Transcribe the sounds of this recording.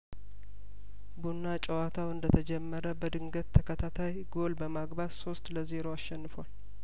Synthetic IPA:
bunːat͡ʃʼəwat̪ʰawɨnd̪ət̪ʰəd͡ʒɛmːəɾəbəd̪ɨŋɡət̪t̪ʰːəkʰət̪ʰat̪ʰajɡo̞lbəmaɡbadso̞st̪ləze̞ɾo̞aʃːɛnːɨfwal

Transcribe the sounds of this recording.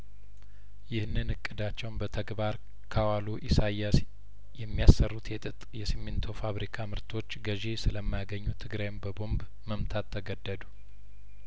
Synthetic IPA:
jɪhnːɨnɨkʼːɨd̪at͡ʃːɛwnbət̪ʰəɡbaɾ | kʰawaluʔisajas | jɛmːijasərːut̪ʰjɛt̪ʼɨt̪ʼjɛsimːɪnt̪ʰo̞faβɾikʰamɨɾt̪ʰo̞t͡ʃːɡəʒesɨləmːajaɡəɲːut̪ʰɨɡɾajmbəbo̞mb | məmt̪ʰat̪ʰːəɡəd̪ːəd̪u

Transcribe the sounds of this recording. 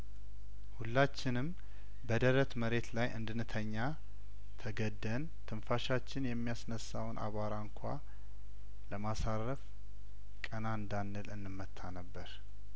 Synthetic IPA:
hulːat͡ʃːɪnɨm | bəd̪əɾət̪məɾe̞t̪lajʔɨ̰nd̪ɨnɨt̪ʰəɲːa | t̪ʰəɡəd̪ːən | t̪ʰɨnfaʃat͡ʃːɪnjɛmːijasnəsawnʔa̰βaɾaɨŋkʷʰa̰ | ləmasarəf | kʼənaɨnd̪anːɨlɨnːɨmːət̪ʰːanəbːəɾ

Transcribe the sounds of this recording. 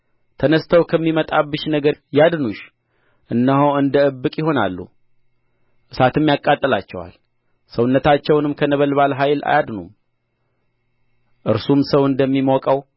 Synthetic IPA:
t̪ʰənəst̪ʰəwkʰəmːimət̪ʼabɨʃnəɡəɾjad̪nuʃ | ʔɨnːəɦoɨnd̪əɨbːɨkʼjɪɦo̞na̰lːṵ | ʔɨsat̪ʰɨmːjakʼːat̪ʼːəlat͡ʃːɛwa̰l | səwnːət̪ʰat͡ʃːɛwnɨmkʰənəβəlβalɦajla̰jad̪num | ʔɨɾsumsəwɨnd̪əmːimɔkʼəw

